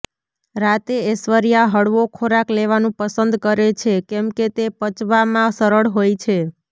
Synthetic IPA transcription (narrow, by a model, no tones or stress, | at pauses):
ɾat̪eːsʋəɾjaɦəɽʋokʰoɾakleʋanũpəsənd̪kəɾet͡ʃʰekɛmket̪epət͡ʃʋamãsəɾəɭɦojt͡ʃʰe